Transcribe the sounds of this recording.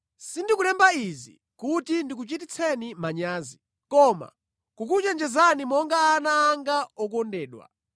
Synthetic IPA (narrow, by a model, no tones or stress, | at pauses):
sindikulɛmbaizḭ | kutindik̬ut͡ʃit̬it͡sʰɛnimaɲaːzi | kɔma̰ | kukut͡ʃɛnd͡ʒɛzanimɔŋɡaːnaːŋɡaɔkɔndɛːɗwa̰